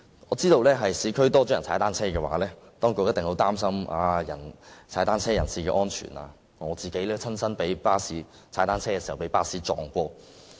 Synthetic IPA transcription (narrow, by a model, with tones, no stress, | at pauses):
ŋɔː˨˧t͡siː˥t̪o˧wlɛː˥ɦɐ˨jsiː˨˥kʰɵ˥ɥt̪ɔː˥t͡ʃɔː˨˥jɐ˨˩nt͡sʰaː˨˥jt̪aː˥nt͡sʰɛː˥kɛː˧wa̰ː˨˥lɛː˥ | t̪ɔː˥ŋkʊ˧k̚jɐ˥t̪̚ɪ˨ŋho˨˥wt̪aː˥msɐ˥maː˧jɐ̰˨˩nt͡sʰaː˨˥t̪aː˥nt͡sʰɛː˥jɐ̰˨˩nsiː˨kɛː˧ʔɔː˥nt͡ʃʰy̰ː˨˩na̰ː˧ | ŋɔː˨˧t͡siː˨˩ke˨˥jlɛː˥t͡sʰɐ˥nsɐ˥npe˨˥jpaː˥siː˨˥ | aː˨˥jt̪aː˥nt͡sʰɛː˥kɛː˧si˨˩hɐ˨˩wpe˨˥jpaː˥siː˨˥t͡sɔ̰ː˨˧ŋkʷɔː˧